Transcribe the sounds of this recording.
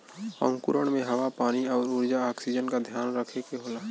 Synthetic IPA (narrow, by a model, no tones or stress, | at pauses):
ɔ̰̃ːŋkʊɾəɳ̃mẽɦɐwapaːniɔːɾʊɾd͡ʒaaːksid͡ʒənkad̪ʱjaːnɾəkʰekeɦoːlaː